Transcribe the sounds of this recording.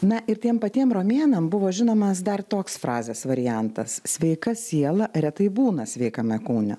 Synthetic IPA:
nɐʔɪɾt̪ʲiɛmpɐt̪ʲiɛmroːmʲeːnɐmbʊʋoːʒʲɪnoːmɐsd̪ɐrt̪oːksfɾɑːzʲeːsʋɐɾʲɪjɛnt̪ɐssʲʋʲɛɪkɐsʲiɛlˠɐɾʲɛt̪ɐɪbuːnɐsʲʋʲɛɪkɐmʲɛkuːnʲʊ̰

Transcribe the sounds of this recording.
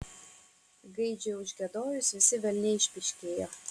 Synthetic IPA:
ɡɐɪd͡ʒʲɛʊʒʲɡʲɛd̪oːjʊsʋʲɪsʲɪʋʲɛlʲnʲɛɪʃʲpʲɪʃʲkʲeːjoː

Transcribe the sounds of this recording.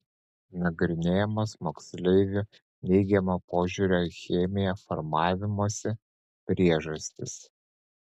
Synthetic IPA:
nɐɡɾʲɪnʲeːjɛmɐsmoːksʲlʲɛɪʋʲʊ | nʲɛɪɡʲɛmopoːʒʲuɾʲoːxʲeːmʲɪjɛfɔ̰ɾmɑːʋʲɪmuɔsʲɪ | pʲɾʲiɛʒɐsʲt̪ʲɪs

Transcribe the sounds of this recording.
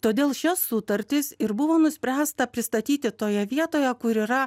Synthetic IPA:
t̪oːd̪ʲeːlˠʃʲɛssʊt̪ɐɾʲt̪ʲɪsɪɾbʊʋoːnʊsʲpʲɾʲæːst̪ɐpʲɾʲɪst̪ɐt̪ʲiːt̪ʲɪt̪oːjɛʋʲiɛt̪oːjɛkʊɾiːɾɐ

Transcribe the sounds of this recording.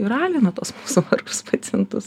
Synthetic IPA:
ɪɾɑːlʲɪnɐt̪uɔsmuːsʊʋɐrkʊspɐt̪ʲɛntt̪ʊs

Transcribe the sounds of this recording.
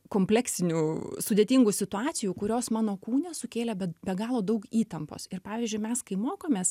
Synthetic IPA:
koːmʲpʲlʲæksʲɪnʲuːsʊd̪ʲeːt̪ʲiŋɡuːsʲɪt̪ʊɑːt̪sʲɪjuːkʊɾʲoːsmɑːnoːkuːnʲɛsʊkʲeːlʲɛbʲɛbʲɛɡɑːlˠoːd̪ɐʊkiːt̪ɐmpo̰ːsɪɾpɑːʋʲiːzʲd͡ʒʲʊɪmʲɛskɐɪmoːkoːmʲeːs

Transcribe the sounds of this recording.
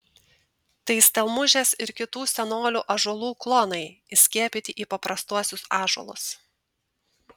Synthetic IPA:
t̪ɐɪsʲt̪ʲɛlˠmʊʒʲeːsɪɾkʲɪt̪uːsʲɛnoːlʲuːʔɐʒuɔlˠuːklˠoːnɐɪɪsʲkʲiɛpʲɪt̪ʲɪʔiːpɐpɾɐst̪uɔsʲʊsɑːʒuɔ̰lˠʊ̰s

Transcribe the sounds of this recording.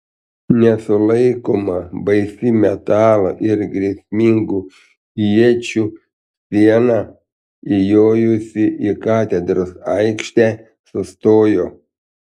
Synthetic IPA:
nʲɛsʊlˠɐɪkoːmɐbɐɪsʲiːmʲɛt̪ɑːlˠoʔɪɾɡɾʲiɛsʲmʲiŋɡu | iɛt͡ʃʲuː | sʲiɛnɑː | ɪjoːjʊsʲɪʔikɑːt̪ʲɛd̪ɾosɐɪkʃʲt̪ʲæ | sʊst̪oːjoː

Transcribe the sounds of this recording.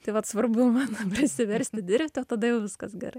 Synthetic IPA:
t̪ɐɪʋɐt̪sʋɐrbʊmɑːnopʲɾʲɪsʲɪʋʲɛɾʲsʲt̪ʲɪd̪ʲɪɾʲpʲt̪ʲɪoːt̪ɐd̪ɐjɛʊʋʲɪskɐsɡʲɛ̰ɾɐɪ

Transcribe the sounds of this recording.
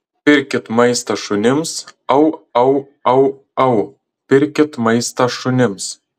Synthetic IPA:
pʲɪɾʲkʲɪt̪mɐɪst̪ɐʃʊnʲɪmsɐʊɐʊ | ɐʊ | ɐʊ | pʲɪɾʲkʲɪt̪mɐɪst̪ɐʃʊnʲɪms

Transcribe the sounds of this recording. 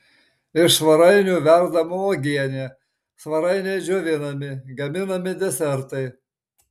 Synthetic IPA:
ɪʃsʋɐɾɐɪnʲuːʋʲæɾd̪ɐmʊoɡʲiɛnʲeː | sʋɐɾɐɪnʲɛɪd͡ʒʲoːʋʲɪnɐmʲɪɡɐmʲɪnɐmʲɪd̪ʲɛsʲɛɾt̪ɐɪ

